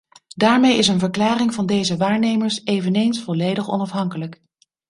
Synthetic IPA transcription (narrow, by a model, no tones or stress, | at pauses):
daːɹmejɪs̬ənvəɹklaːrɪŋvɑndejzəʋaːɹnejməɹsejvənejnsfɔlejdəχɔ̰nɑfɦɑŋkələk